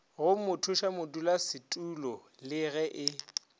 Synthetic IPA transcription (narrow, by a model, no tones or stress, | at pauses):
ɣʊmʊtʰʊʃamʊdulasɪtʼulɔ | lɪɣɛʔɪ